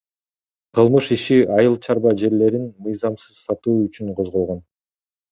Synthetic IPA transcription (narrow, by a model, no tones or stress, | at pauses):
qʰɯlˠmɯʃiʃiʔɑjɯlˠt͡ʃʰɑɾβɑd͡ʒe̞ɾle̞ɾinmɯjzɑmsɯz̥sɑt̪uːyt͡ʃyɴqʰozʁo̞lˠʁo̞n